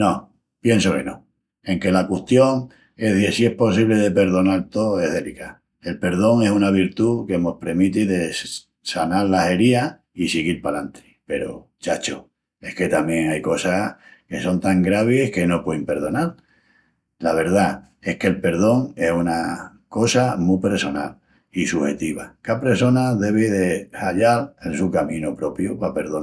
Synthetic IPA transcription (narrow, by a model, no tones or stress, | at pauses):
no̞ | pje̞nso̞ke̞no | e̞ŋke̞lakwuht̪jo̞ŋ | e̞ðesie̞hpo̞siβ̞le̞ð̞e̞pe̞ɾðo̞nalt̪oe̞ɦðe̞lika | e̞lpe̞ɾðo̞ŋe̞sunaβ̞iɾt̪ukemo̞hpɾemit̪iðe̞ | sanaɾlahe̞ɾia | isiɣiɾpalant̪ʰe̥pe̞ɾo̰ | t͡ʃat͡ʃo | e̞hke̞t̪amjẽ̞ŋajko̞sake̞so̞nt̪aŋɡɾaβ̞ehke̞no̞pwejmpe̞ɾð̞o̞nal | laβe̞ɾða | e̞hke̞lpe̞ɾð̞o̞ŋe̞suna | ko̞samupeɾso̞na̰l | isuhe̞t̪iβ̞akapɾeɾso̞naðe̞β̞iðe̞haʎalensukamĩnopɾo̞pjupape̞ɾðo